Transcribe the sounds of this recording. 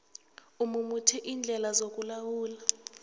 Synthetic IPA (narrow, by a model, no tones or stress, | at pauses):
umumutʰiʔiːnd͡ɮʱɛlazok̬ʼulawuːla